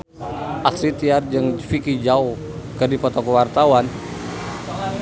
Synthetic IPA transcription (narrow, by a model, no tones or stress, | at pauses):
ʔasɾit̪iard͡ʒɨŋfikid͡ʒaw | kɨrdipɔt̪ɔkəwart̪awan